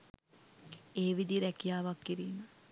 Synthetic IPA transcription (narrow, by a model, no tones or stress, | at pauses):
eːʋid̪iɾækijaːʋakːiɾiːmə